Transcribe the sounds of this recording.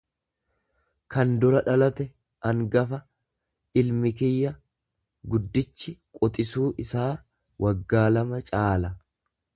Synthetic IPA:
kɐnd̪ʊɾɐᶑɐlɐt̪ɛ | ʔɐŋɡɐfɐ | ɪlmɪkɪjːɐ | ɡʊd̪ːɪt͡ʃːɪkʼɔt̪ʼɪsuːʔɪsaː | wʔɐɡːaːlɐmɐt͡ʃʼaːlɐ

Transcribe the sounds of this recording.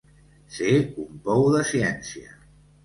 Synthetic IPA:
seumpɔwðəsiɛnsiə̰

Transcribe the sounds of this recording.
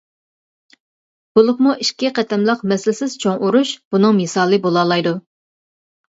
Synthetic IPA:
b̥ulˠʊχmuiʃkʲiqʰɛt̪ʰɛmlˠəqmɛslɪsɪz̥t͡ʃʰoŋʔuɾuʃb̥unɨŋmɨsɑːlˠɨbolˠɑːlˠɑjd̪u

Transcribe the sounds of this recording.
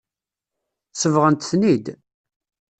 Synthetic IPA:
səvʁənt̪θnid̪

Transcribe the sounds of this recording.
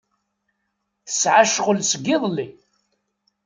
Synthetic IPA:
θə̥sʕaʃʁəlsəɡːɪðˤlːi

